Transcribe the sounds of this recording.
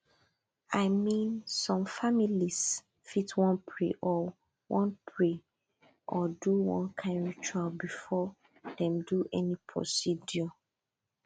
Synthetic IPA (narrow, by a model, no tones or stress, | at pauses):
aɪmĩnsɔ̃mfamilis | fitʰwɔ̃npʰɹḭʔɔ | wɔ̃npʰɹi | ʔɔduwɔ̰̃nkʰãɪ̃nɹit͡ʃualbifɔ | dɛ̃mduʔɛnipʰɹɔ̰sidjɔ